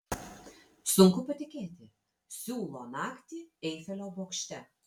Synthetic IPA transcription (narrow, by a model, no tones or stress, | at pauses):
sʊŋkʊpɐt̪ʲɪkʲeːt̪ʲɪ | sʲuːlˠoːnɑːkt̪ʲiɛɪfʲɛlʲoːboːkʃʲt̪ʲɛ